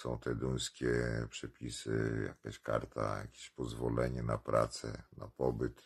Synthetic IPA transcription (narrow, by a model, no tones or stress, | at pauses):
sɔ̃w̃t̪ɛd̪ujskʲɛpʂɛpʲisɘja̰kaɕkaɾt̪ajakʲeɕpɔzvɔlɛɲɛnapɾat̪sɛnapɔbɘt̪